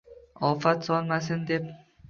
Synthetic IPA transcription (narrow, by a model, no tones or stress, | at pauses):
ɒfat̪sɒlˠmas̬ɪnd̪ep̚